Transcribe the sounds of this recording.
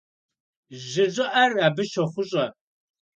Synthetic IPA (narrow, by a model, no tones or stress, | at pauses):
ʑɪʑɪʔɐraːbɨʃɐχʷʊɕʼɐ